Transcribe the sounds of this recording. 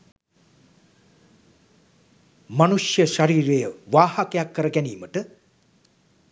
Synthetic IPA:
manuʂjəʃaɾiːɾejəʋaːhakəjakːəɾəɡæniːməʈə

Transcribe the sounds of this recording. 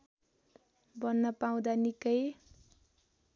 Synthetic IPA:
bʌnːʌpaũd̪anikʌj

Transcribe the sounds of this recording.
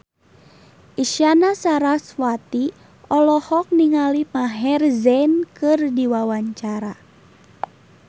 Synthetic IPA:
ʔiʃianasaɾaswat̪i | ɔlɔhɔk̚niŋalimaɦɛrzɛnkɨrdiwawaɲt͡ʃaɾa

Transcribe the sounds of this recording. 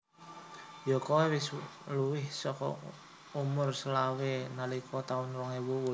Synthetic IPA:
jɔkɔwewɪsluwɪhsɔkɔ̰ | umʊrsəlawenalikʰɔt̪aʊnɾɔŋewuwu

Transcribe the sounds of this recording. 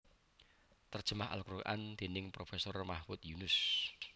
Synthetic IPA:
t̪ər̥ʒ̥ə̤maɦa̰lkɾukaʔand̪̥e̤nɪŋpɾofɛsɔrmahwʊt̪junʊs

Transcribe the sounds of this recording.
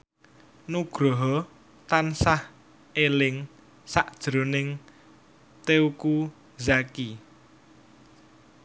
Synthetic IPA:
nuɡ̥ɾɔɦɔ | t̪ansah | elɪŋ | saʔd̥ʒ̥ɾo̤nɪŋ | t̪euku | zaki

